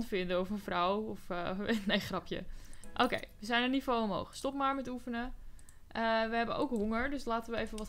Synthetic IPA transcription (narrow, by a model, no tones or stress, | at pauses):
ntfɪndəɔfənfrɔwɔfʋetnejχrɑpjə̰ʔo̰wkḛjʋəzɛjnənifoːəmɦo̰wχstɔpmaːɹmɛtufənə | ʔəʋəɦɛbənʔo̰wkɦoŋəɹdøslaːtəʋəejvənʋɔt